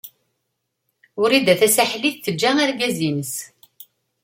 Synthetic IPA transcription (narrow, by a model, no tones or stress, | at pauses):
ʊɾid̪æθæsaħliθθəd͡ʒːææɾɡæzinəs